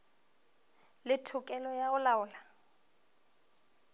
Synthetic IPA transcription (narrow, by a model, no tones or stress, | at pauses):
lɪtʰʊkʼɛlɔjaʊlaʊːla